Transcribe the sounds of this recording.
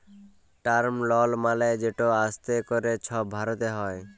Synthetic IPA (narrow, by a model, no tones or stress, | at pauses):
ʈaɾmlɔlmalajd͡ʒeʈoast̪ekoɾet͡ɕʰɔbʱaɾot̪eɦɔe